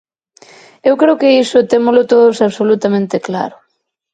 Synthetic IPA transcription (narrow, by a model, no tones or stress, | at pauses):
ewkɾewkeisʊt̪emʊlʊt̪oðʊsaβsolut̪amẽnt̪ekla̰ɾʊ